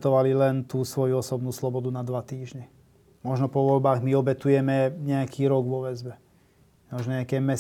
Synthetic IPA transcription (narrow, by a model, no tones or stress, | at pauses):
t̪ɔʋalilɛnt̪uːsʋɔjuɔsɔbnuːslɔbɔd̪unad̪ʋat̪iːʒɲɛ | mɔʒnɔpɔʋɔʎbaːɣmiɔbɛt̪ujɛmɛɲɛakʰiːɾɔɡʋɔʋɛzbɛ | mɔʒnɔɲɛakɛːmɛ